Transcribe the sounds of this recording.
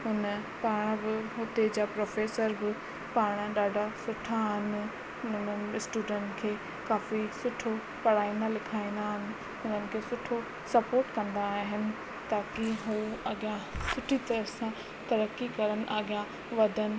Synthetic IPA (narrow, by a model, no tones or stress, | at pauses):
ɦʊnə | paːɽ̃bɪɦʊt̪ed͡ʑaːpɾoːfeːsəɾbɪ | paːɽ̃ɗaːɖʱasʊʈʰaɦɪnɪ̆ | ʊʊnəɪsʈuːɖə̃ɳʈkʰeː | kaːfisʊʈʰo | pɐɽ̤aːĩnd̪alɪkʰaːĩnd̪aːɦɪnɪ̆ | ɦʊnənɪ̆kʰeːsʊʈʰo | sɐpoːɾʈkɐ̃nd̪aːɦɪnɪ̆ | t̪aːkiɦuːɐɠjãsʊʈʰit̪ɐɾəsã | t̪ɐɾəkːikɐɾənɪ̆ʔɐɠijã | ʋɐd̪ʱənɪ̆